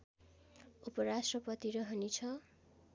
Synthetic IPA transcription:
upʌɾasʈrʌpʌt̪iɾʌɦʌnit͡sʰʌ

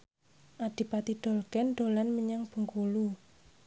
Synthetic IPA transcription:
ʔaɖ̪̥i̤pat̪iɖ̪̥ɔ̤lɡ̥ɛnɖ̪̥o̤lanməɲaŋb̥ə̤ŋkulu

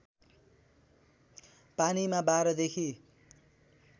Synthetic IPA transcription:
panimabaɾʌd̪ekʰi

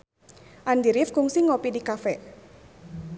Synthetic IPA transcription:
ʔandiɾɪfkuŋsiŋopidikafɛ

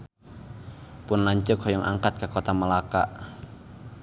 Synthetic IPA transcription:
pʊnlaɲt͡ʃʊkhɔjɔŋʔa̰ŋkat̪̚kakot̪aməlakaʔ

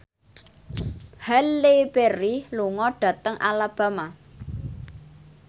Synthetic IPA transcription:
halːepeɾiluŋɔɖ̥ä̤t̪əŋʔalab̥a̤ma

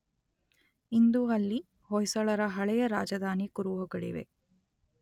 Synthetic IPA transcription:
ind̪uɐlːi | hɔjsɐɭɐɾɐɦɐɭɛjɐɾaːd͡ʒɐd̪aːnikuɾuʋɐɡɐɽḭʋḛ

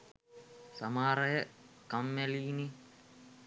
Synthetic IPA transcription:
sɐmaːɾɐjɐkɐmːeliːni

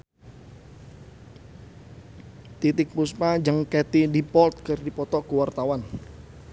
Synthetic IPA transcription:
t̪it̪ɪk̚puspad͡ʒəŋkɛt̪idipɔlt̪̚kərdipɔt̪ɔkəwart̪awan

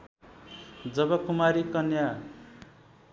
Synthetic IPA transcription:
d͡zʌbʌkumaɾikʌnja

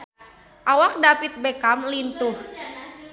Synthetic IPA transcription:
ʔawak̚dapit̪̚bekamlint̪uh

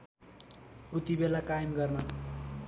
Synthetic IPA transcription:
ut̪ibelakajmɡʌrnʌ

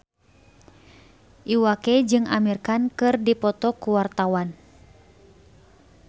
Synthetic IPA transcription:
ʔiwakɛd͡ʒɨŋamirkankɨrdipɔt̪ɔkuwart̪awan

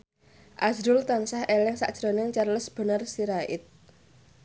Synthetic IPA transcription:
ʔazɾʊlt̪ansahelɪŋsa̰ʔd̥ʒ̥ɾonɪŋt͡ʃarləsb̥ə̤nərsiɾaɪ̰t̪̚

